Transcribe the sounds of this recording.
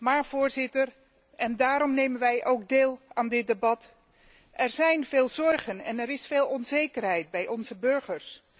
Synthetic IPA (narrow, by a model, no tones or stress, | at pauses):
maːɹv̥ʊːɹzɪtər | ɛndaːɾɔmnejmənʋɛjʔowɡ̚deːlˠaːndɪt̚debɑt | ʔɛɹzɛjnveːlˠzɔɹχənɛ̰nɛɾɪsfeːlˠɔnzejkərɦɛjd̚bɛjɔnzəbɵɹχəɹs